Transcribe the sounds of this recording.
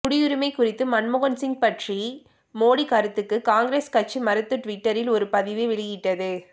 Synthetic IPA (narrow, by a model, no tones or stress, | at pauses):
kʊɽɪjʊɾɯmɐɪkʊrɪt̪ːɯmɐnmʊɣɐnsɪŋɡ̚pɐʈri | moːɽikɐɾɯt̪ːɯkːɯkaːŋɡɾeːskɐʈ̚t͡ʃimɐɾɯt̪ːɯʈʋɪʈːɐɾɪlɔɾɯpɐðɪʋiʋɪɭɪjɪʈːɐðɯ